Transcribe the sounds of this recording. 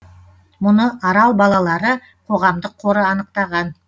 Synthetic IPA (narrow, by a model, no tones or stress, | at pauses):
mʊnəɑɾɑlˠbɑlˠɑlˠɑɾə | qʰo̞ʁɑmd̪əqʰːo̞ɾəɑnəq̚t̪ɑʁɑn